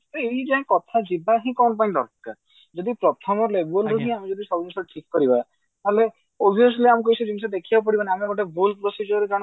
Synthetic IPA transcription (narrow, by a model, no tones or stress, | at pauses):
t̪ɔeid͡ʒaɦẽkɔt̪ʰad͡ʒibaɦĩkɔnp̬aĩdɔ̰ɾka̰ | d͡ʒɔd̪ipɾɔt̪ʰɔmɔɾlebɔlɾuɦĩamĩd͡ʒɔd̪isɔbɔmɔsʈʰikːɔɾiba | t̪ale | ɔbʱijɔsliamũk̬ojsɔd͡ʒibisd̪ekʰibawp̬ɔɽibaneamiɡɔʈebolpɾɔsid͡ʒɔɾekaɽ̃